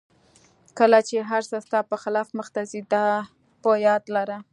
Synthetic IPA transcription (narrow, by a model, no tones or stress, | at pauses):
kəlat͡ʃeɦaɾsəst̪ɑpəxɪlɑfməxt̪azid̪ɑ | pəjɑd̪laɾa